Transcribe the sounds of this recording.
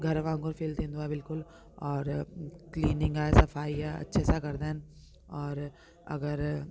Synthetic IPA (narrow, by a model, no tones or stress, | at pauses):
ɡʱɐɾʋãːŋɡoɾfʰeːlt̪ẽnd̪uabɪlkʊl | ɔːɾkliːnɪ̃ŋɡasɐfaːiɛɐ̰tːʃʰɛːsakɐɾd̪an | ɔːɾ | ɐ̰ɡəɾ